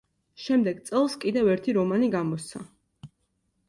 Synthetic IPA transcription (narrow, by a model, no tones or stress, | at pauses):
ʃɛmd̪ɛɡt̪sʼɛlˠskʼid̪ɛvɛɾt̪ʰiɾɔmaniɡamɔsa̰